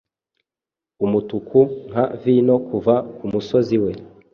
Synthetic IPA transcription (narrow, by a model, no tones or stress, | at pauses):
umutukuŋ̥avino̞kuvakumuso̞ziwe̞